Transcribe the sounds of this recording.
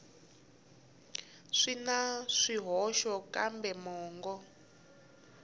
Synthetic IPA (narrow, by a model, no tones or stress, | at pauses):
ʂinaʂiɦɔʃɔkambɛmɔːŋɡɔ